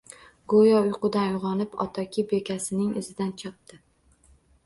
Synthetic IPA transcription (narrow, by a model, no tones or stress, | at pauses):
ɡojɒʊjqʰʊd̪anjʊʁɒnɪpɒ̰t̪ʰɒkʰʲɪbekʲasɪnɪŋɪ̰zɪd̪ant͡ʃʰɑp̚t̪ɪ